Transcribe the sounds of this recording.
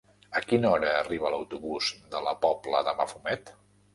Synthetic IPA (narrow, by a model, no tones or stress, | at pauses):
əkinɔɾəːriβələwt̪uβuzd̪ələpɔplə̰ðəma̰fumɛt̪